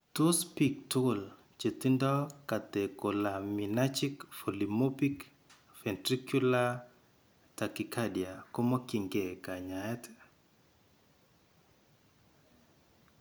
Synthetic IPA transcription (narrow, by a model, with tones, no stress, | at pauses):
to˦spi˨k̚tʊl | t͡ʃe˨t̪i˦ndɔ˦ka˨t̪e˨ko˨la˨mi˨na˦t͡ʃi˦kfo˨li˨mo˦pi˦k | fɛ˨ntɾi˦kju˦la˦ | ta˨ki˨kʰa˦dja˨ko˦mɔ˦ki˨ŋɡe˨ka˨ɲa˨ɛ˦t